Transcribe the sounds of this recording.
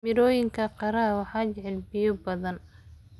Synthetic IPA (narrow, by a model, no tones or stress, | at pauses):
mɪɾɔːjɪŋkʰɐqɑɾɐɦɐwɑħɑːt͡ʃɛʕɛlbɪjɔbɐðɐn